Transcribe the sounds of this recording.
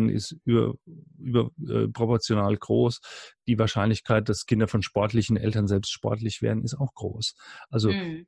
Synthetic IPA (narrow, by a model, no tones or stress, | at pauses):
nʔɪ̰styːɐ̰ʔyːbɐʔɛ̰ːpʁ̥opɔɐt͡sjonaːlɡ̥ʁoːsd̥iːvaɐʃaɪnlɪçkʰaɪt̚d̥askʰɪndɐfɔnʃpɔɐtlɪçn̩ʔɛ̰ltɐnzɛlpstʃpɔ̰ɐtlɪçv̥ḛːɐdn̩ɪstaʊxɡ̥ʁo̰ːsʔalzo